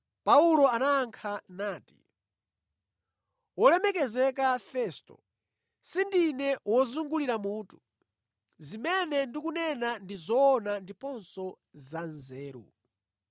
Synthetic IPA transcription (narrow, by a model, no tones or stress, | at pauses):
paulɔanaːŋkʰanaːti̥̰ | wɔlɛmɛkɛzɛkafɛstɔ̰ | sindinɛwɔzuŋɡuliɾamuːtu̥ | zimɛnɛndikunɛnandizɔːnandipɔnsɔ | zanzɛːɾṵ